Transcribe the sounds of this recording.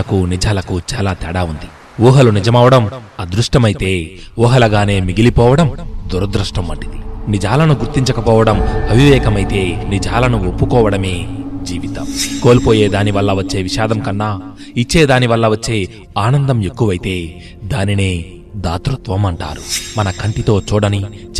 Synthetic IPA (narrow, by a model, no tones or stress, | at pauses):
ɐkunid͡ʒaːlɐkut͡ʃaːlaːt̪ɛːɽaːund̪i | uːɦɐlunid͡ʒɐmɐʋɐɽɐmɐd̪ɾuʂʈɐmɐjit̪e̞ːuːɦɐlɐɡaːne̞ːmiɡilipɔːʋɐɽɐmd̪uɾɐd̪ɾuʂʈɐmːɐʈːid̪i̥nid͡ʒaːlɐnuɡuɾt̪iɲt͡ʃɐkɐpɔːʋɐɽɐmɐbʱiʋɛːkɐmɐjt̪e̞ːnid͡ʒaːlɐnuopːukɔːʋɐɽɐme̞ːd͡ʒiːʋit̪ɐmko̞ːlipo̞ːje̞ːd̪aːniʋɐlːɐʋɐt͡ʃːe̞ːʋiʃaːd̪ɐmkɐnːaː | it͡ʃːe̞ːd̪aːniʋɐlːɐʋɐt͡ʃːe̞ː | aːnɐnd̪ɐme̞kːuʋɐjit̪e̞ː | d̪aːnine̞ː | d̪aːt̪ɾɐt̪ʋɐmɐɳʈa̰ːɾumɐnɐkʰɐɳʈit̪o̞ːt͡ʃuːɽɐni